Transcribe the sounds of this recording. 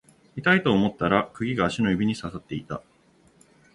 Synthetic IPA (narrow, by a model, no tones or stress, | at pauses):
mit̪ait̪o̞ːmo̞t̪ːaɾakɯ̟ɡʲiɡaːɕino̞jɯbʲiɲ̟isasat̪ːe̞it̪a